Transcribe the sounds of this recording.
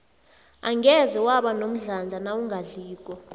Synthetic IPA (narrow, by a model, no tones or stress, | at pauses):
aŋɡɛzɛwaɓanom̩ɮand͡zʱanawuŋʱaɮiːk̬ʼɔ